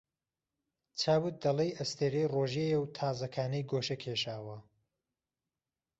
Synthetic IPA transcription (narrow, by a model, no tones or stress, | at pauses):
t͡sʰaːwɨt̪̚d̪ɐlˠɐjʔɐst̪ʰeɾejroːʒejewt̪ʰaːzɐkʰaːnɐjɡoːʃɐkʰeːʃaːwɐ